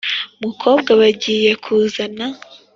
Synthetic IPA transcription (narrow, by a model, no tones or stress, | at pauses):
mukʰo̞ːbɡaβaɟiːje̞kʰuːzana